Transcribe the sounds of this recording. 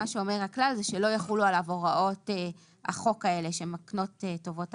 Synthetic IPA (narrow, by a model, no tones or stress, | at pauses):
aʃeo̞me̞ʁhaklalzɛʃelo̞jaχulualavo̞ʁaʔo̞te | ha̰χo̞kae̞le̞ʃemakno̞tetːo̞vo̞t